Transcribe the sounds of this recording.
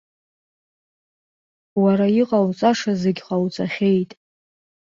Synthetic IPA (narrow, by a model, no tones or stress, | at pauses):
waɾaiqʼawt͡sʼaʂazeɡʲqʼawt͡sʼaχʲe̞jtʼ